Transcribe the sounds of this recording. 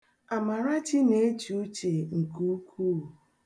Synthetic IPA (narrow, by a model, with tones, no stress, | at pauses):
a˨ma˨ɾa˦t͡ʃɪ˦ne˦t͡ʃo˦t͡ʃe˨ŋ̩˨ku˦kʰu˦˨